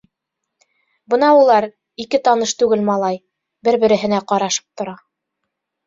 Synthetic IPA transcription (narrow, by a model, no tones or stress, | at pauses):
bɤnɑulˠɑɾ | ikɘt̪ɑnɤʃt̪ʉɡɘlmɑlˠɑj | bɘɾbɘ̆ɾɘ̆ɦɘ̆næqɑɾɑʃɤ̥p̚t̪ŏɾɑ